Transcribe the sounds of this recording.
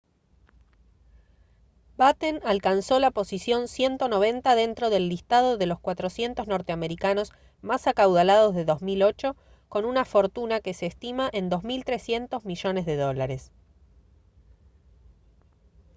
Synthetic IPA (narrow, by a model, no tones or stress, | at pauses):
bat̪enalkanso̞lapo̞sisjo̞nsje̞nt̪o̞no̞β̞e̞nt̪aðe̞nt̪ɾo̞ðe̞lːist̪að̞o̞ðe̞lo̞skwat̪ɾo̞sje̞nt̪ozno̞ɾt̪eameɾikano̞s | masakawðalað̞o̞zðe̞ðo̞zmilo̞t͡ʃo̞ | ko̞nunafo̞ɾt̪unake̞seːst̪imaʔe̞nd̪o̞zmilt̪ɾe̞sje̞nt̪o̞zmiʒo̞ne̞zðe̞ðo̞laɾe̞s